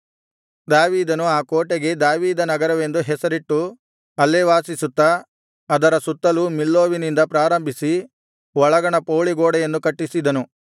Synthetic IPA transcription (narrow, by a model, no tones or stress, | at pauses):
d̪aːʋiːd̪ɐnuaːkoːʈeɡe̞d̪aːʋiːd̪ɐnɐɡɐɾɐʋe̞nd̪uɦɛsɐɾiʈːu | ɐlːeʋaːsisut̪ːɐː | d̪ɐɾɐsut̪ːɐlumilːoːʋinind̪ɐpɾaːɾɐmbʱisi | ʋɔɭɐɡɐɳɐpoːɭiɡoːɽɐjend̪ukɐʈːisid̪ɐnu